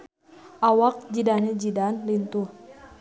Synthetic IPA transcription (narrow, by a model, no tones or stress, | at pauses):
ʔawak̚d͡ʒidaned͡ʒidanlint̪uh